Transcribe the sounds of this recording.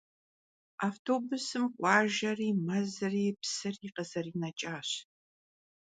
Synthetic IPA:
aːftʰoːbʊsɨmqʷʼɑːʒɐriːmɐzɨriːpsɨriqəzɐriːnɐt͡ʃʼaːɕ

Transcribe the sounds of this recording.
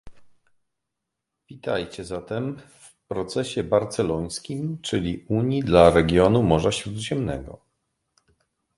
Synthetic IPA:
vʲit̪ajt͡ɕɛzat̪ɛmf | pɾɔt̪sɛɕɛbaɾt̪sɛlɔj̃skʲimt͡ʂɘlʲiuɲjid̪laɾɛɡʲjɔnumɔʐaɕɾud̪ʑɛmnɛ̰ɡɔ̰

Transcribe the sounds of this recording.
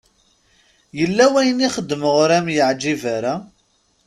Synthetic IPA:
jəlːæwæjəniχəd̪ːməʁɾæmjəʕd͡ʒːivæɾa

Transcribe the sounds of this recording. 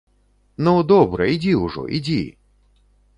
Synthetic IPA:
nud̪ɔbɾɐid͡zʲiuʐɔ̰ʔid͡zʲḭ

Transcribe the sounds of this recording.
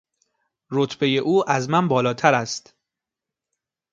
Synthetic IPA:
ɾot̪ʰbe̞je̞ʔuːʔæzmænbɒːlɒːt̪ʰæɾæst̪

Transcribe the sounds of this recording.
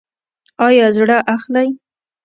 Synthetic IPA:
ɑjɑzɽaʔaxlaj

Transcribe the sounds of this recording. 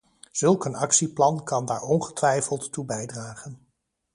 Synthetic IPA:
z̥ɵlˠkənɑksiplɑnkɑnda̰ːɹɔnχə̥tʋɛjfəlˠtːubɛjdraːχən

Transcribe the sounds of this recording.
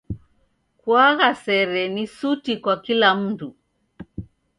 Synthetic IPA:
kwaɣasɛɾɛnisutikwakilam̩tu

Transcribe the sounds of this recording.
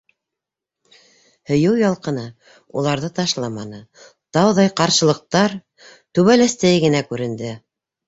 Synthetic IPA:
hɵ̆jɤwjɑlˠqɤ̆nɤ | ulˠɑɾðɤt̪ɑʃlˠɑmɑnɤ | t̪ɑwðɑjqɑɾʃɤ̆lˠɤ̆q̚t̪ɑɾ | t̪ʉβælæst̪ɘɡɘ̆nækʉɾɘ̆nd̪ɘ

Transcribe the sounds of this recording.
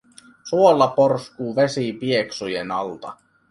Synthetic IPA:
suolːɑporskuːʋe̞sipieksujenɑlt̪ɑ

